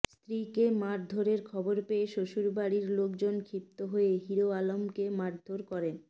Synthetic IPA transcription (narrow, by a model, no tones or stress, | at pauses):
st̪ɾikemaɾd̪ʱoɾeɾkʰɔboɾpeeʃoʃuɾbaɽiɾlokd͡ʑonkʰɾip̚t̪oɦoeɦiɾoalomkemaɾd̪ʱoɾkɔɾen